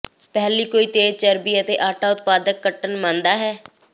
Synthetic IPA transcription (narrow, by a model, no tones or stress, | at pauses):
pɛːliːkoːiːt̪eːɾt͡ʃəɾbiːət̪eːʔaːʈʰaːʊt̪paːd̪əkːəʈənmãːnd̪aːɦɛː